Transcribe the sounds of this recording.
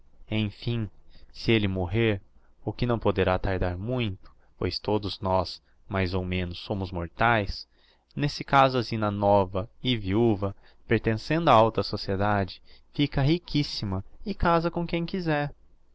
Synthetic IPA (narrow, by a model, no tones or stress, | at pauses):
ẽj̃fĩsɪelɪmoɦeɾ | ʊkɪnɐ̃w̃pod̪eɾat̪aɾd̪aɾmũj̃t̪ʊ̥ | pojst̪od̪ʊznɔs | majzowmẽnʊsːõmʊzmoɾt̪ajs | nesɪkazʊazĩnɐnɔvɐɪviuvɐ | peɾt̪ẽsẽnd̪ʊaawt̪ɐsosied̪ad͡ʒɪfikɐɦikʰisimɐɪkazɐkõkẽj̃kizɛɾ